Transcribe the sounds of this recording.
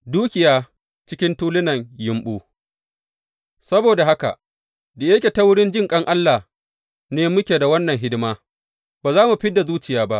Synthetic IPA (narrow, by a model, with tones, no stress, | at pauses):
duː˦kʲɪ˨jaː˦ | t͡ʃɪ˦kʲɪ˦ntuː˦lɪ˦nɐ˨ŋjɪ˨mɓuː˦ | sɐ˦boː˨da˨ɦa˦ka̰˨ʔ | de˨je˦kʲe˨ta˦wʊ˦ɽɪ˦nd͡ʒɪ˦ŋkʼɐ˦ŋʔa˦lːa˨ | neː˦mʊ˦kʲeː˨da˨wɐ˦nːɐ˨ŋɦɪ˦dɪ˦maː˦ | baː˨zaː˦mu˨ɸɪ˦dːa˨zuː˦t͡ʃɪ˨jaː˦ba˦ʔ